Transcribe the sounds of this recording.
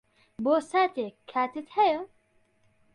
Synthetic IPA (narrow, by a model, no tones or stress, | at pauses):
boːsaːt̪eːkʰːaːt̪ʰɨt̪hɛjə